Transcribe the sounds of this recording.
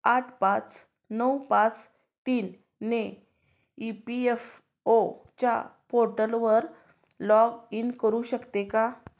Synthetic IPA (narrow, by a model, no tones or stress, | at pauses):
aʈʰpat͡s | nəwpãt͡s | t̪iːn | ne | ipief | ot͡ɕja̰poɾʈəlʋəɾ | lɔɡinkəɾuɕəkt̪eka